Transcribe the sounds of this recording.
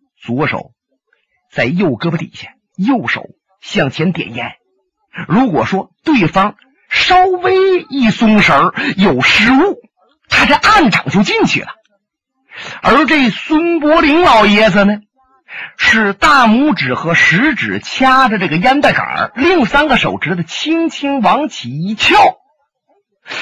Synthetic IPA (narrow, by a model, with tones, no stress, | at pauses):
t͡swɔ˧˥ʂo̰˨˩˦ʊ | t͡sa˥˧ɪjo˥˩ʊkɤ˥bə˧t̪ḭ˨˩ɕja˥˩n | jo˥˩ʊʂo̰˨˩˦ʊ | ɕjɑ˥˩ŋt͡ɕʰjɛ˧˥nt̪jɛ̰˨˩njɛ˧˥n | ɻu˧˥kwɔ˨˩ʂwɔ˥t̪we˥˩ɪfɑ˥ŋ | ʂɑ˥ʊwe˥ɪi˥˩sʊ˥ŋʂə˧˥jo˨˩ʊʂɻ̩˧˥u˥˩ | t̪ʰa˥t͡sa˥˧ʔa˥˩nʈ͡ʂɑ˨˩ŋt͡ɕjo˥˧ʊt͡ɕi˥˩nt͡ɕʰy̰˥˩lə˩ | ə̰˞˧˥ʈ͡ʂe˥˩swə˥npwɔ˥li˧˥ŋlɑ˨˩ʊjɛ˥d͡zə˧nə˨˩ | ʂɻ̩˥˧t̪a˥˩mu˥˩ʈ͡ʂɻ̩˨˩xɤ˧˥ʂɻ̩˧˥ʈ͡ʂɻ̩˨˩t͡ɕʰja˥də˨ʈ͡ʂɤ˥˩ɡə˩ja˥nt̪a˥˩ɪka̰˨˩li˥˩ŋsa˥nɡə˨ʂo˨˩ʊʈ͡ʂɻ̩˧˥d̪ə˨t͡ɕʰi˥ŋt͡ɕʰi˥ŋwɑ˧˥ŋt͡ɕʰi˨˩i˧˥t͡ɕʰjɑ˥˩ʊ